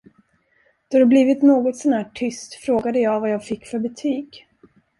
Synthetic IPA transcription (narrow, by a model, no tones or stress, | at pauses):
d̪̥ɔd̪ɛbliːvɪt̪noːɡɔt̪sɔnhæːʈʰʏst̪fɾoːɡad̪əjɑːɡvajɑːɡfɪkːfœɾbɛt̪ʰyːɡ